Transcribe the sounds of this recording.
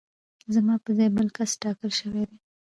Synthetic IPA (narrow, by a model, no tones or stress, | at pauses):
zamɑpəzejbəlkasʈɑkəlʃəwed̪e